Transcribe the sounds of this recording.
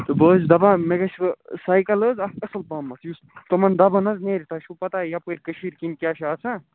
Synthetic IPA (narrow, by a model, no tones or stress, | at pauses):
t̪ɨbəːzd̪ɐbãmeɡɐt͡ʃʰsaːjkɐləzɐɐsɐlpaːmːɐt͡s̪just̪omɐnd̪ɐbɐnɐzneːɾʲit̪ʰaʃʰupɐt̪aːjɐpəɾʲkəʃiɾkinkʲaːʃʰaːt͡sʰa